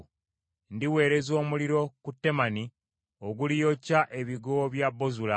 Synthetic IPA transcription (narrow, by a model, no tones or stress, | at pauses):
ndiwe̞ːɾe̞zo̞ːmuliɾo̞kutːe̞mani | o̞ɡulijo̞caʔe̞βiɡoβjabːo̞zula